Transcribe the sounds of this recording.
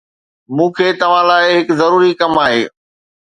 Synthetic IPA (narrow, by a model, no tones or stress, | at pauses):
mũːkʰeːt̪ɐʋ̤ãlaːɪɦɪkzɐɾuːɾikɐmaːɦḛː